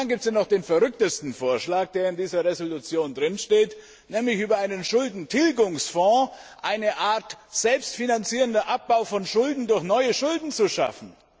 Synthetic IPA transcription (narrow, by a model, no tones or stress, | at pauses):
aŋɡiːp̚tsjanɔχd̥eːnfɛɐʁʏk̚təstn̩foːɐʃlaːk̚d̥eːɐɪndiːzɐʁezolut͡sjoːndʁɪnʃteːt | nɛːmlɪçʔyːbɐaɪnənʃʊldn̩tʰɪlɡʊŋsfɔ̃ːʔaɪnəʔaːɐtz̥ɛlpstfinant͡siːʁəndɐʔap̚b̥aʊfɔnʃʊldn̩dʊɐçnɔʏəʃʊldn̩t͡suʃa̰fn̩